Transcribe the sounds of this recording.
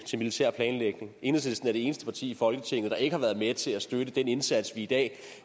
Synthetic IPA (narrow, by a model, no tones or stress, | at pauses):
t͡sʰe̝lmilit͡sʰæ̰ɐ̰pʰlɛːnleɡ̥ne̝ŋe̝ːnðˠsesd̥n̩æɐɾ̥eeːnəsd̥ə̥pʰɑ̈t͡sʰḭːifɒ̽lɡ̥ət͡sʰe̝ŋ̰ð̩ˠd̥ɑ̈e̝ɡəhɑ̈ʋæɐð̞ˠmet͡sʰe̝læsd̥øɾəd̥ene̝nsæd̥sʋiid̥ɛ̰ː